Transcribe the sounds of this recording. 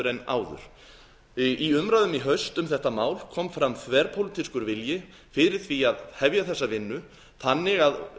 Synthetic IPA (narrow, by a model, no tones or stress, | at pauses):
ʏɾɛna̰ːwðʏ̰ɾ̥ | iʏmɾaðʏmiɦœɥst̪ʏmθɛht̪amaːwlkʰɔmfɾamθvɛɾpʰowlɪt̪ʰiskʏɾvɪljɪ | fɪɾɪɾ̥θviaðhɛvjaθɛsːavɪnːʏ | θanːɪɣað